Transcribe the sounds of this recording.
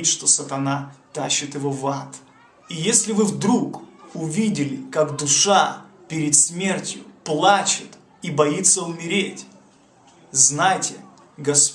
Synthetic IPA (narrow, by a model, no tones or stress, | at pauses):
tʲʂt̪o̞sət̪ɐnat̪aɕːɪt̪jɪvo̞vat̪ | ijesʲlʲɪvɨvd̪ɾukʊvʲidʲɪlʲɪkakd̪ʊʂa | pʲɪɾʲɪt̪smʲe̞rtʲjʊ̰plˠat͡ɕɪt̪ | ibɐjit̪sːəʊmʲɪɾʲetʲ | znajtʲɪ | ɡɐs